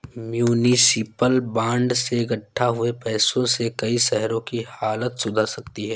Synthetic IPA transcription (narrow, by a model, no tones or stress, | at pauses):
mjuːnisɪpəlbãːɳɖseɡɐʈʰːaɦʊepɛːsõsekɐiʃɛɦɾõkihaːlət̪sʊd̪ʱasɐkt̪iɦɛː